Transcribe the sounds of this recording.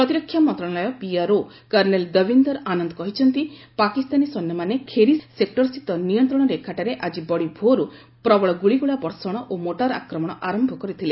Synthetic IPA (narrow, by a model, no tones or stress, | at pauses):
pɾɔt̪iɾɔkʰːjamɔnt̪ɾɔ̃alɔjɔpiaɾo | kɐɾneld̪əbʱind̪ɔɾʔanɔnd̪ɔkɔɦit͡ʃʰɔnt̪ipakist̪anisɔnːɔmanekʰeɾisek̚ʈɔɾsit̪ɔnijɔnt̪ɾɔɽ̃ɔɾekʰaʈaɾeʔad͡ʒibɔɽibʱoɾu | pɾɔbɔɭɔɡuɭiɡuɭabɔɾsɔɽ̃ɔʔomoʈaɾa̰kɾɔmɔɽ̃ɔʔaɾɔmbʱɔkɔɾit̪ʰile